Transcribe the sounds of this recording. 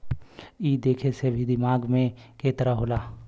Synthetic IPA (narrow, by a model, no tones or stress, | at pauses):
iːd̪eːkʰesebʱid̪ɪmaːɡmẽkeːt̪əɾaɦoːlaː